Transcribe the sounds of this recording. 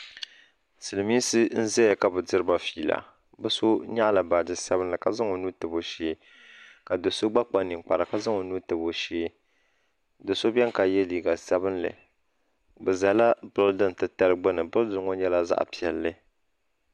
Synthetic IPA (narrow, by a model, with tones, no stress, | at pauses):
sɨ˨lɨ˨miː˦sɨ˦n̩˦zɛ˦ja˨ka˨bɨ˨dɨ˦ɾɨ˦ba˨fiː˨la̰˨ | bɨ˦so˦ɲa˦ʔla˨ba˨dɨ˨sa˦bɨ˦nlɨ˨ka˨za˦ŋo˨nu˦tɨ˨bo˨ʃeː˦ | ka˨do˨so˦ɡ͡ba˦k͡pa˦nːɨ˨k͡pa˨ɾa˨ka˦zɨ˦ŋo˨nu˦tɨ˨bo˨ʃeː˦ | do˨so˦bɛ˦ŋka˨jɛ˦liː˨ɡa˨sɛ˦bɨ˦nlɨ̰˨ | bɛ˨za˨la˦bɨʊ˦ldɨ˦n˨tɨ˦ta˦lɨ˦ɡ͡bɨ˦nɨ˨bʊ˦ldɨ˨˦ŋo˦ɲɛ˦la˦za̰˦ʔpi˨ɛ˨lːɨ˦